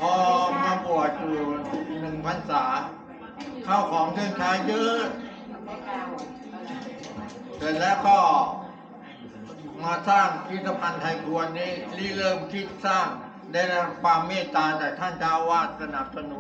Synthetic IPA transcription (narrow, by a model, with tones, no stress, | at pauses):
pʰɔː˧ɲa˧ŋpu˨˩ət̪̚kuː˨˩nɯ˨˩ŋpʰa˧nsaː˩˦ | kʰa˥˩wkʰɔː˩˦ŋk̪ʰɯ˥˩əŋt͡ɕʰaː˦˥jt̪ɯː˦˥ | t̪ɛː˨˩lɛː˦˥wkɔː˥˩ | maː˧saː˥˩ŋpʰi˦˥t̪ːa˧pʰa˧nt̪ʰa˧jkʰu˧a˧nːiː˦˥˩liː˥˩lɤː˥˩mt̪ʰi˦˥˩t̪̚saː˥˩ŋ | da˥˩jɾa˦˥kʰwaː˧mːeː˥˩t̪ːaː˧t͡ɕaː˨˩k̚t̪ʰa˥˩nt͡ɕaː˦˥˩wwaː˥˩t̪̚sa˧na˨˩p̚sa˧nu˨˦n